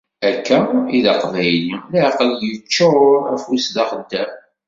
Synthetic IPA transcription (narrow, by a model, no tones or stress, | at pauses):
ækːæiðɑqvæjlilæqəljət͡ʃːiʊɾæfwisðɑχəd̪ːæm